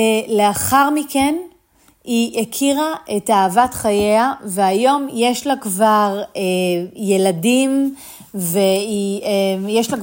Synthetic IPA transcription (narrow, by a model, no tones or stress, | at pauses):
ele̞aχaʁmiken | iʔekʰiʁaʔe̞taːvatχajeaveajo̞mjeʃlakvaʁejeladim | veijeʃlak